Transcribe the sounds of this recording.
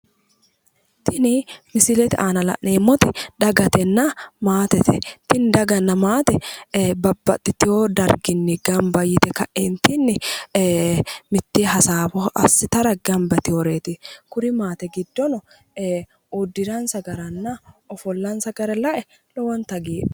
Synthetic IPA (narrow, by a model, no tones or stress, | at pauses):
t̪ʰɪnɪmɪsɪlɛt̪ɪʔaːnɐlɐ̰ʔneːmːɔt̪ɪᶑɐɡɐt̪ɛnːɐmaːt̪ɛt̪ɪt̪ɪnd̪ɐɡɐnːɐmaːt̪ɛbɐbːɐt̪ːɪt̪ɪhoːd̪ɐɾɡɪnːɪɡɐmbɐjːɪt̪ɛkɐʔeːnt̪ɪnːɪ | mɪt̪ːiɦɐsaːbɔɐ̰sːɪt̪ɐɾɐɡɐmbɐt̪ɪhɔɾeːt̪ɪkʊɾɪmaːt̪ɛɡɪd̪ːɔnɔ | ud̪ːɪɾɐnsɐɡɐɾɐnːɐɔfɔlːɐnsɐɡɐɾɛlɐʔɛ | lɔwɐnt̪ɐɡiːᶑ